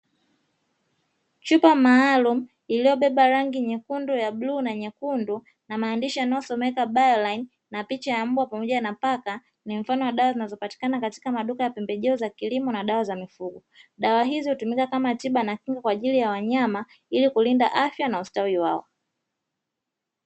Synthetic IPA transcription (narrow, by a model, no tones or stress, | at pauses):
t͡ʃupamaːlum̩ | ilijɔɓɛɓaɾaŋɡiɲɛkundujaɓluːnaɲɛkundu | namaːndiʃijanaɔsɔmɛkaɓajɔlain | napit͡ʃajam̩bwapamɔʄanapaka | nim̩fanɔwaɗawazinazɔpati̥kanakati̥kamaɗukajapɛmbɛʄɛɔzakilimɔnaɗawazamifuɡɔ | ɗawaɦizihutumikakamatiɓanakiŋɡakwaːʄilijawaɲama | ilikulindaʔafjanaustawiwa̰ɔ̰